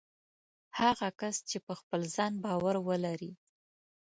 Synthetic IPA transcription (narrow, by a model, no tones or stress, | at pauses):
haɣakast͡ʃepəxpəlzɑnbɑwaɾwəlaɾi